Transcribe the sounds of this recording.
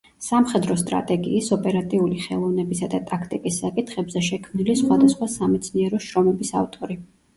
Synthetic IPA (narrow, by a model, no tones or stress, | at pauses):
samχɛd̪ɾɔst̪ʼɾa̰t̪ʼɛɡḭːsɔpʼɛɾat̪ʼiuliχɛlˠɔvnɛbisad̪at̪ʼakʰt̪ʼikʼisːakʼit̪ʰχɛbzɛʃɛkʰmnilisχwad̪asχwasamɛt̪sʰniɛɾɔʃɾɔmɛbisa̰vt̪ʼɔɾi